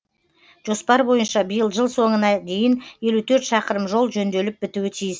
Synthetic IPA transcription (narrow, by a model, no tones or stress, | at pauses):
ʒ̥o̞spɑɾbo̞jənʃɑbəjəlˠʒəlˠso̞ɴənɑd̪e̞jɪnje̞lut̪ʰɵɾt̪ʃɑqəɾəmʒo̞lˠʒɵnd̪e̞lɪp̚bɪt̪uwɪt̪ʰijɪs